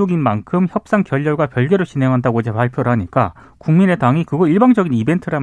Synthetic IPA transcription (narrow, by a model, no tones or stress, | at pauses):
uɡinmankʰɯmçjʌp̚s͈aŋkjʌʎːʌɭɡwapjʌɭɡe̞ɾoɕinɦe̞ŋɦandaɡod͡ʑepaɭpʰjoɾɯɦaɲik͈a | kuŋmine̞taŋikɯɡʌiɭbaŋd͡ʑʌɡinibe̞ntʰɯɾam